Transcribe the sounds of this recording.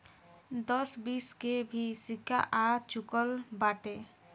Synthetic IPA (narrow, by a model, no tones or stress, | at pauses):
d̪əsbiskebʱisika̰ʔat͡ʃukəlbaʈe